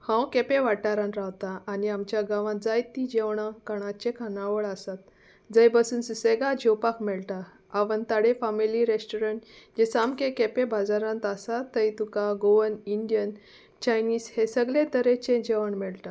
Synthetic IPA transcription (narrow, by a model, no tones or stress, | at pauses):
hãwkepeʋaʈːaɾãnɾawt̪aːniamt͡ɕjaɡãʋãd͡zajt̪id͡ʑeʋɳãkəɽ̃at͡ɕẽkʰanaʋəɭasat̪̚ | d͡zəjbəsuːnsuseɡad͡ʑewpakmɛɭʈaː | ʋənt̪aɽefamiliɾesʈoɾəɳʈd͡ʑesamkekepebʱad͡zaɾãnt̪asat̪ːəjt̪ukaɡoʋəniɳɖjən | t͡ɕajniːshesəɡlẽt̪əɾet͡ɕẽd͡ʑeʋəɳmɛɭʈ̪a